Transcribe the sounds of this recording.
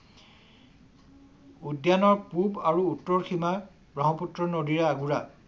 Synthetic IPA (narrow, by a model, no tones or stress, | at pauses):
udjanɔɹpubaɹuːtːɔɹxʰima | bɹaɦɔputɹɔnodiɹaːɡuɹa